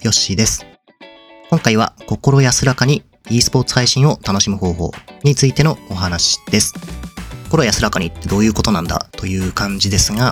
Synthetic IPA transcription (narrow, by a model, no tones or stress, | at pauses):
jo̞ɕid̪e̞sɨ̥ | kõ̞ŋkaiβ̞a̰ko̞ko̞ɾo̞jasɨɾakaɲ̟i | iːsɨ̥po̞ːt͡sɨ̥haiɕĩɰ̃o̞t̪ano̞ɕimɯ̟ho̞ːɦo̞̰ːɲ̟it͡sɨit̪e̞no̞ːɦanaɕi̥d̪̥e̞sɨ̥koko̞ɾo̞jasɨɾakaɲ̟iːt̪ːe̞d̪o̞ːjɯ̟ːko̞t̪o̞nãnd̪a̰t̪o̞jɯ̟ːkãɲ̟d͡ʑid̪e̞sɨɡa